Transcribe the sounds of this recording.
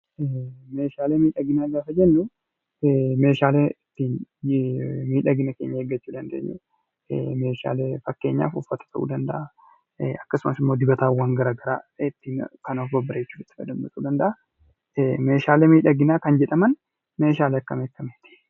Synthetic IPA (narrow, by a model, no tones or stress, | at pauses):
me̞ːʃaːleːmiːᶑɐɡɪnaːɡaːfɐd͡ʒɛnːʊ | me̞ːʃaːleːɪt̪ːiːn | miːᶑɐɡɪnɐke̞ːɲːɐheɡːɐt͡ʃːuːd̪ɐnd̪eːɲːɛ̰ | me̞ːʃa̰ːleːfɐkːe̞ːɲːa̰ːfʊfːɐt̪ɐ̥t̪ʰɐʔṵːd̪ɐnd̪ɐʔa | ɐkːɐsʊmɐsɪmːo̞ːd̪ɪbɐt̪aːwaːŋɡɐɾaːɡɐɾaːɪt̪ːiːnkɐnoːfbɐbːɪɾɐjɛt͡ʃːuːd̪ɪ̥t̪ːɪ̥fɐ̰d̪ɐmbɐt̪uːd̪ɐnd̪ɐʔa | me̞ːʃaːleːmiːᶑɐɡɪnaːkɐnd͡ʒɛᶑɐmɐn | me̞ːʃ̬aːleːɐkːɐmeːkːɐmɛt̪ɪ̥